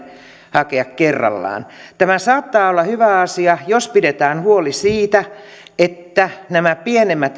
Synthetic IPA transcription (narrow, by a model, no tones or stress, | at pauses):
hɑkeɑkkerːɑ̰lːɑ̰ːnt̪æmæsɑːt̪ːɑːolːɑhyʋæɑsiɑjospidet̪æːnhuolisiːt̪æ | et̪ːænæmæpienemːæt̪